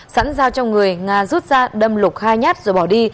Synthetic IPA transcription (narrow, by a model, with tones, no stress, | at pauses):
sa̰ː˧˥nzaː˧wt͡ɕɔ˧wŋ͡mŋɨ˨˩əjŋaː˨˩zu˦˥t̚zaː˧ɗə˧mlʊ˨˩k͡p̚xaː˧jɲaː˦˥t̚zo˨˩jɓɔ˧˩ɗi˧